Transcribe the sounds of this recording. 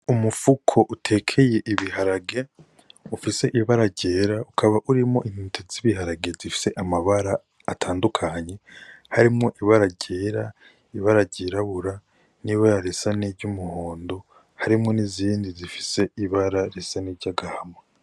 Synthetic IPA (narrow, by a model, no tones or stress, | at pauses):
umufukʰo̞ʔutʰe̞kʰe̞je̞ʔiβiɦaɾaɡe | ufise̞ʔiβaɾaɟe̞ːɾaukʰaβaʔuɾimŋo̞̰ʔin̥iːtʰeziβihaɾaɡe̞zifi̥se̞ʔamaβaɾaː | tʰaːndukʰaɲe̞haɾimŋo̞ʔiβaɾaɟe̞ːɾa | iβaɾaɟiɾaβuɾa | niβaɾaɾe̞sanibɟumuho̞ːndo̞ | haɾimŋo̞niziːndizifi̥se̞iβaɾaɾesaniɟaɡahama